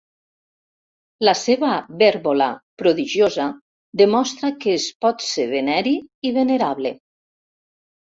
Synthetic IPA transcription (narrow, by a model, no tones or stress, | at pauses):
laseβaβɛɾβola̰pɾoðiʒjoza | d̪emɔst̪ɾakəːspɔt̪seβenɛɾiiβeneɾaβle